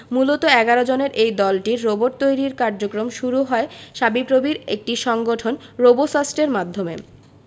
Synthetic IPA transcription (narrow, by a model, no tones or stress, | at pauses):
mulot̪oɛɡaɾod͡ʑoneɾʔejd̪ɔlʈiɾɾoboʈ̚t̪ojɾiɾkaɾd͡ʑokɾomʃuɾuɦɔeʃabipɾobiɾḛk̚ʈiʃɔŋɡoʈʰonɾobosasʈeɾmad̪ʱːomḛ